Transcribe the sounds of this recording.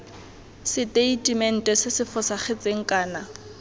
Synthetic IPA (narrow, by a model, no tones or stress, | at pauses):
sɪtʼeitʼimɛn̩tʼɛsɪsɪfʊsaχɪt͡sʼeŋ̩kʼaːna